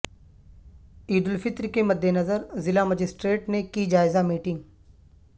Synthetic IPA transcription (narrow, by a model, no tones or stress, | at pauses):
iːd̪ʊlfɪt̪ɾkemɐd̪ʱːenɐzəɾzɪlaməd͡ʒɪsʈɾeːʈnekid͡ʒaːɪzamiːʈɪ̃ŋɡ